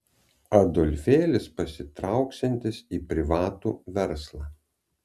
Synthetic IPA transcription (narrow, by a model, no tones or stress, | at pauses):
ɐd̪ɔlʲfʲeːlʲɪspɐsʲɪt̪ɾɑʊksʲɛnʲt̪ʲɪsiːpʲɾʲɪʋɑːt̪ṵːʋʲɛɾslˠɑː